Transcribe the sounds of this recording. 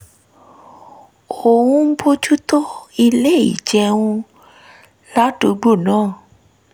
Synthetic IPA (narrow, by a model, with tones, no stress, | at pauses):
xo˨ũ˦po˦t͡ʃu˦t̪o˦i˧le˦˨ḭ˨t͡ʃɛ˧ũ˦ | la˦tu˨˦ɡ͡bo˦˨nãː˦˨